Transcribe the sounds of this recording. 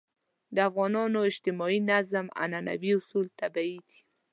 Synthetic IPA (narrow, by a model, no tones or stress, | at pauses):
d̪əafɣɑnɑnoɪʃt̪ɪmɑinazma̰nana̰biʊsult̪abaid̪i̥